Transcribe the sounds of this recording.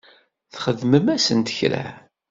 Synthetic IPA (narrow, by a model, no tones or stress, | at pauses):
θχəðməmæsənt̪çɾæ̰